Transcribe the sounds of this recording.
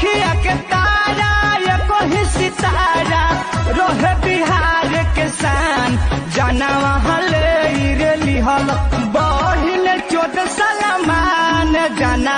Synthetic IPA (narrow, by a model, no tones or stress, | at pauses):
kʰijaket̪aɾajekoɦisit̪aɾa | ɾoɦebiɦaɾekesand͡ʒanaʋaɦãleiɾeliɦɔlbɔlinet͡ʃod̪esɐlamaned͡ʒana